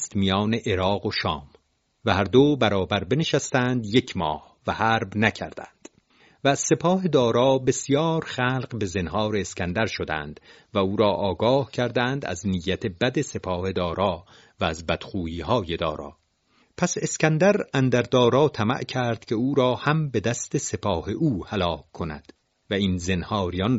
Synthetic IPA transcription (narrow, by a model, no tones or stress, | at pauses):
st̪mijɒːneʔeɾɒːɣoʃɒːm | væhæɾd̪obæɾɒːbæɾbe̞neʃæst̪ænd̪jecʰmɒːh | væhæːɾbnæcʰæ̰ɾd̪æ̰nd̪̥ | væːz̥se̞pʰɒːɦed̪ɒːɾɒːbe̞sijɒːɾχæːlqbe̞zenɦɒːɾe̞ːskʲænd̪æɾʃod̪æ̰nd̪̥ | væuːɾɒːʔɒːɡɒːhcʰæɾd̪ænd̪æ̰znijːæt̪ʰebæd̪e̞se̞pʰɒːhe̞d̪ɒːɾɒː | væːzbæd̪̥χuːiːhɒːje̞d̪ɒ̰ːɾɒ̰ː | pʰæse̞skænd̪æɾænd̪æɾd̪ɒːɾɒːt̪ʰæmæ̰ʔcʰæɾd̪̥cʰe̞uːɾɒːhæmbe̞d̪æst̪e̞se̞pʰɒːheʔuːhælɒːkʰːonæ̰d̪̥ | væiːnze̞nhɒːɾijɒn